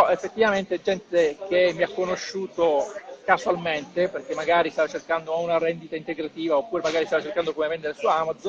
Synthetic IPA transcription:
ɔefːet̪ːivament̪eɛd͡ʒɛnt̪ek̟emːiakːonoʃːuːt̪okaswalment̪eperk̟emːaɡaːɾist̪avat͡ʃerkand̪ounaɾɛnd̪it̪aint̪eɡɾat̪iːvaopːuːɾemaɡaːɾist̪avat͡ʃerkand̪okomevɛnd̪eɾesueamad̪zo

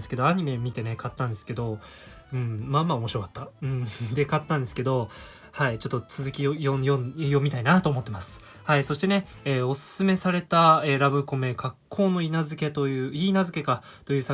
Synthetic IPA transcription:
esɨ̥ke̞d̪o̞aɲ̟ime̞mʲit̪e̞ne̞kat̪ːãnd̪e̞sɨ̥ke̞d̪o̞ | ɯ̟̃ɴmamaomo̞ɕiɾo̞kḁt̪ːaɯ̟̃ɴd̪e̞kat̪ːãnd̪e̞sɨ̥ke̞d̪o̞ | hait͡ɕo̞t̪ːo̞t͡sɨzɨkʲijojojomʲit̪ainat̪oːmo̞t̪ːemasɨ̥ | haiso̞ɕi̥t̪e̞ne̞ | eːo̞sɨ̥sɨme̞saɾe̞t̪aeɾabɯ̟ko̞me̞kʰakʰːo̞ːno̞inazɨke̞t̪o̞jɯ̟ːiːnazɨke̞kat̪o̞jɯ̟ːsa

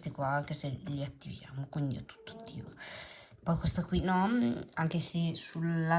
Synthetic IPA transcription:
st̪ikwaaŋk̟eseʎiat̪ːivja̰ːmokwind̪iɛt̪ːu̥t̪ːo̥t̪ʰːiːvopɔjkwest̪akwinɔaŋk̟esesula

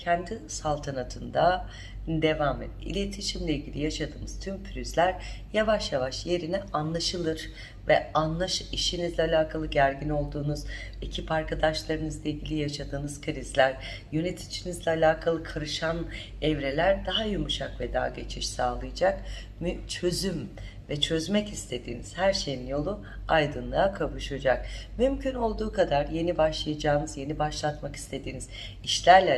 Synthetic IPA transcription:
cʰɛnd̪isalˠt̪ʰanat̪ʰɯnd̪a | d̪e̞vamḛd̪ḭlʲet̪ʰiʃimlʲeilʲɟʲilʲijaʃad̪ɯːnɯz̥t̪ʰympʰylʲyzlʲæɾjavaʃjavaʃje̞ɾinianlˠaʃɯlˠɯɾ | vɛanlˠaʃiʃinizlʲɛalʲaːkʰalˠɯɟæɾɟino̞lˠd̪uːnuz | ecʰipaɾkʰad̪aʃlˠaɾɯnɯzlˠailʲɟilʲijaʃad̪ɯːnɯz̥kʰɾizlʲæɾ | jø̞net̪ʰi̥t͡ʃinizlʲɛalʲaːkʰalˠɯkʰaɾɯʃan | ɛvɾe̞lʲæɾd̪aɦajumuʃakvɛd̪a̰ɦːɟe̞t͡ʃʰiʃsaːlˠɯjad͡ʒak | mt͡ʃʰø̞zym | vɛt͡ʃʰø̞zmɛcist̪ʰe̞d̪iːniz̥hæɾʃe̞jinjo̞lˠu | ajd̪ɯnlˠaakʰavuʃad͡ʒak̚mymcʰyno̞lˠd̪uːkad̪aɾje̞nibaʃlˠajad͡ʒaːnɯzje̞nibaʃlˠat̪maki̥st̪ʰe̞d̪iːniz̥ | iʃlʲæɾlʲɛ

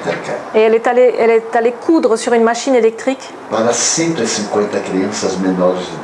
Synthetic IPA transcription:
t̪ɛɾka̰eɛlɛt̪aleʔɛlɛt̪alekʰud̪ʁəsyʁynmaʃinelɛk̚t̪χʁik | paɾɐsẽnt̪ʊesĩŋkwẽnt̪ɐkɾiɐ̃sɐzmenɔɾɪz

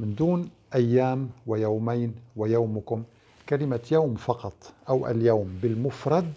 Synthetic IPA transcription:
mɪnd̪uːn | ʔajːaːmwajawmajnwajaːmʊkʊm | kalɪmajawmfɑqɑt̪ˤʔawʔa̰ljawmbɪlmʊfɾˤɑd̪̚

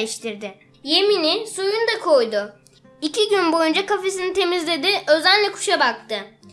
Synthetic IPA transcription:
eʃt̪ʰiɾd̪ɪ | je̞minɪsujund̪akʰo̞jd̪ʊ | icʰiɟynbo̞jund͡ʒakafe̞s̬init̪ʰe̞mizlʲe̞d̪ɪʔø̞zænlʲɛkʰu̥ʃabak̚t̪ɯ

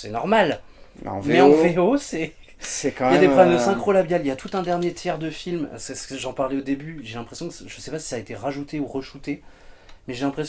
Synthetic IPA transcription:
sɛnɔʁmal | m̰̃vmɛɑ̃veosɛ | sɛkjad̪eχɔɛməsɛ̃kχolabjaliljat̪ut̪ɛ̃d̪ɛʁnjet̪ʰjɛʁd̪əfilm̰sɛsʒɑ̃paʁlɛod̪ebyʒelɛ̃pχesjɔ̃ksʒəsɛpasi̥saːet̪eʁaʒut̪euʁəʃut̪e | mɛʒelɛ̃pχes

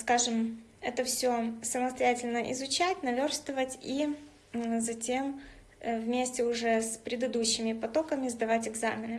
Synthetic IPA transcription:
skaʐɨm | ɛt̪əfsʲosəməst̪ɐjætʲɪlʲnəʔɪ̰zʊt͡ɕætʲnɐvʲorst̪vəvətʲi | zɐtʲe̞m | vmʲesʲtʲɪʊʐɛspɾʲɪd̪ɨd̪uɕːɪmʲɪpɐt̪o̞kəmʲɪzd̪ɐvatʲɪɡzamʲɪnɨ

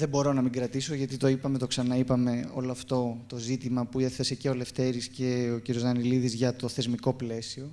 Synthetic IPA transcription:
ðebo̞ɾo̞nɐmiɡɾɐt̪iso̞ʝɐt̪it̪o̞ipɐme̞t̪o̞ksɐnɐipɐme̞o̞̰loɐft̪o̞t̪o̞zit̪imɐpueθɐse̞ce̞o̞le̞ft̪e̞ɾisce̞ociɾjozɐniliðizʝɐt̪o̞θe̞zmiko̞ple̞sio̞

